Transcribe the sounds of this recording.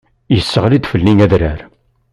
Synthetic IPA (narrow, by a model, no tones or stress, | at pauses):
jəsːəʁlid̪fəlːiŋæðɾəɾ